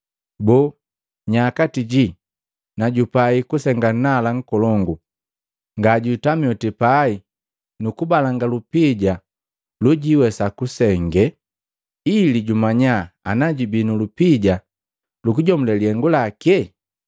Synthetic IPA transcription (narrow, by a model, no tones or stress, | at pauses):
bɔ | ɲakatiɟi | naɟupaikusɛŋɡan̩nalaŋ̩kɔlɔŋɡu | ŋɡaɟutamjɔtipai | nukubalaŋɡalupiɟa | luɟiwɛsakusɛŋɡɛ | iliɟumaɲaːnaɟibinulupiɟa | lukuɟɔmulɛliɛŋɡulakɛ